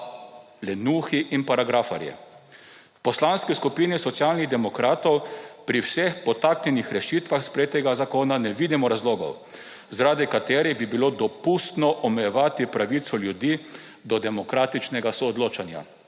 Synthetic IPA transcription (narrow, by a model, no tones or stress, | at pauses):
lɛnuːxiʔinpaɾaɡɾafa̰ɾjɛ̰ | pɔslanskiskupiːnisɔt̪sjalniɣd̪ɛmɔkɾaːt̪ɔwpɾiwsexpɔt̪aknɛnixɾɛʃiːt̪ʋaxspɾejeːt̪ɛɡazakoːnanɛʋid̪imɔɾazloːɡɔ̰w | zaɾad̪ikat̪eːɾibibilod̪ɔpust̪nɔʔɔmɛjɛʋaːt̪ipɾaʋit̪sɔljud̪i | d̪ɔd̪ɛmɔkɾaːt̪it͡ʃnɛɡasɔːd̪loːt͡ʃanja̰